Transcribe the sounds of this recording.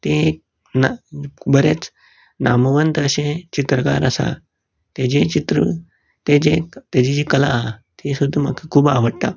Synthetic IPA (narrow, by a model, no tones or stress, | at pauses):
t̪e | nbəɾet͡s | naməʋənt̪əɕẽt͡ɕit̪ɾəka̰ɾəsa̰ | t̪ed͡ʑet͡ɕit̪ɾə | t̪ed͡ʑet̪jad͡ʑid͡ʑikəlat̪iesud̪ʱːma̰kʰikʰuːbaʋəɽt̪a̰